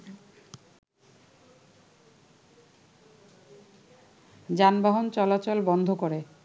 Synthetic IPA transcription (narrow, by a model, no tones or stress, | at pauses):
d͡ʑanbaɦont͡ɕɔlat͡ɕolbɔnd̪ʱokoɾe